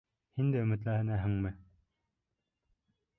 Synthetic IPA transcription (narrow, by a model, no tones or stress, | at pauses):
hind̪æɵmɘ̆t̪̬læænæɦɘ̆ŋmɘ